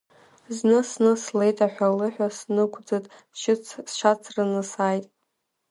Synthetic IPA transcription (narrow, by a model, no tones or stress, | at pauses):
znɨsnɨslejtʰʼaħʷᶣalɨħʷᶣasnɨkʷʰd͡zɨtʼ | t͡ʃʰɪt͡sʰsʃat͡sʰrɨnɨsajtʼ